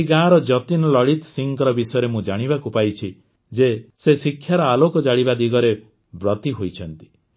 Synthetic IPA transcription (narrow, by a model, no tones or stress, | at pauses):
iɡãɾɔd͡ʒɔt̪inɔlɔɽit̪ɔ̥siŋkɔɾɔbisɔjɔɾemũd͡ʒaɽ̃ibakupajt͡ʃʰi | d͡ʒesesikʰːjaɾɔalokɔd͡ʒaɽibad̪iɡɔɾe | bɾɔt̪iɦojt͡ʃʰɔnt̪i̥